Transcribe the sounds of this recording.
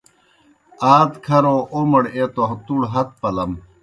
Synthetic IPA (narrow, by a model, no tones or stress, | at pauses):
aːt̪kʰɐɾoːʔomɐɽet̪oɦt̪uɽɦɐt̪̚pɐlɐm